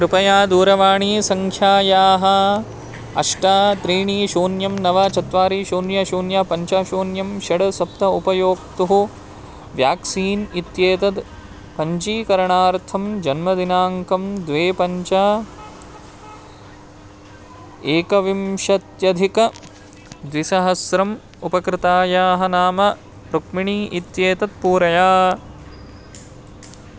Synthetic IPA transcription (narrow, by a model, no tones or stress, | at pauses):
kɾɪpɐjaːd̪uːɾɐʋaːɳiːsɐŋkʰjaːjaːɦɐ | ɐ̰ʂʈaːt̪ɾiːɳiːʃoːnjɐmnɐʋaːt͡ʃɐt̪ʋaːɾiːʃoːnjɐʃoːnjapɐɲt͡ʃaːʃoːnjɐmʃɐɽɐsɐp̚t̪ɐupɐjoːkt̪uɦu | ʋjaːksiːnit̪jeːt̪ɐd̪ | pɐɲt͡ʃiːkɐɾɐɳaːɾt̪ʰɐmd͡ʒɐnmɐd̪inaːŋkɐmd̪ʋeːpɐɲt͡ʃaː | eːkɐʋimʃɐt̪jɐd̪ʱikɐ | d̪ʋisɐɦɐsɾɐm | upɐkɾɪt̪aːjaːɦɐ̆naːmɐ | ɾukmiɳiːʔit̪jeːt̪ɐd̪̚puːɾɐjaː